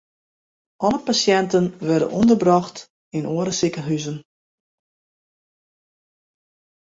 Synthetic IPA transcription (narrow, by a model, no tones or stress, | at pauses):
ʔɔləpasjɛntənʋɛrdə̰nʔɔndərbrɔxt | inoəɾəsɪkəɦyzən